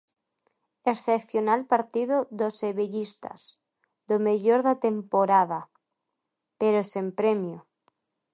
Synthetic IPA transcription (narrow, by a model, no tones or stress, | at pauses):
esθepθjonalpaɾt̪iðoðoseβeʎist̪a̰z | d̪omeʎoɾðat̪empoɾaða | peɾosempɾemjo